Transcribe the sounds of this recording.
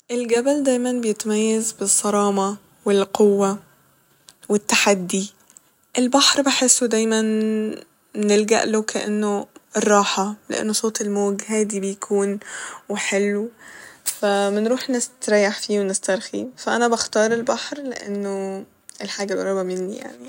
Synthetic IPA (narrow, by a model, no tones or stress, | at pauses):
ʔelɡæbæld̪æjmænbejet̪æmæjːæzbesˤːɑɾˤɑːmɑ | welqowːæ | wet̪ːaħad̪ːi | ʔelbaħɾbeħesːod̪æjmæn | elɡæ̰ʔlokæʔḛnːoerˤːɑːħɑleʔḛnːosˤoːt̪elmoːɡhæd̪iːbejkʰuːnweħelː | fæmenɾuːħnest̪ɾæjaħfiːwenest̪ɑɾˤxḭfæʔænæbaxt̪ɑːɾˤelbaħɾleʔḛnːo | elħaːɡæbʔɑɾˤɑːbæmenːḭja̰ʕni